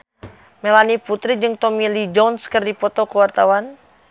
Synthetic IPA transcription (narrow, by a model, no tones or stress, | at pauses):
melaniput̪ɾid͡ʒɨŋt̪ɔmilid͡ʒɔnskɨrdipɔt̪ɔkəwart̪awan